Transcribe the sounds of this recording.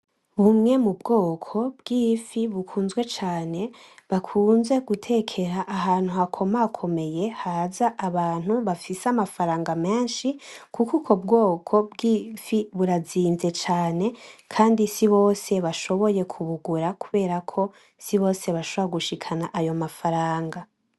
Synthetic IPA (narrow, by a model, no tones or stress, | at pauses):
βumŋe̞mubɡo̞ːkʰo̞bɡ̥iːfiβukʰuːnzɡwe̞t͡ʃaːne̞βakʰuːnze̞ɡutʰe̞ːkʰe̞ɾaʔːɦaːn̥huhakʰo̞makʰo̞me̞je̞haːzaʔːβaːn̥huβafiseamafaɾaːŋɡame̞ːnʃikukukʰo̞bɡo̞ːkʰo̞bɡiːfiβuɾaziːnze̞t͡ʃaːne̞kʰaːndisiβo̞ːse̞βaʃo̞βo̞je̞kʰuβuɡuɾakuβe̞ːɾakʰo̞ | siβo̞ːse̞βaʃoβoɾaɡuʃikʰanaʔajo̞mafaɾaːŋɡa